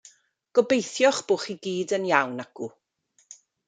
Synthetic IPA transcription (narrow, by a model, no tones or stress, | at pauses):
ɡ̥ɔbejθjɔχb̥ʊχiɡiːdənjawnaɡ̥u